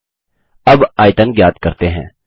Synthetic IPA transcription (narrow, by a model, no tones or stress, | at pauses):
ɐbaːɪʈ̪ənɡjaːd̪kəɾt̪eɦɛ̃ː